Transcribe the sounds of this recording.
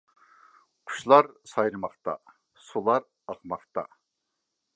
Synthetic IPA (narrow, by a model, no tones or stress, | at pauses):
qʰʊ̥ʃlˠɑɾsɑjɾɨmɑχt̪ɑ̰ | sulˠɑɾ | ɑqmɑqt̪ɑ̰